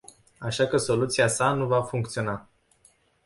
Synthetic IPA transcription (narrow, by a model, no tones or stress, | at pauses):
aʃakəso̞lut̪siasanuvafuŋkt̪sio̞na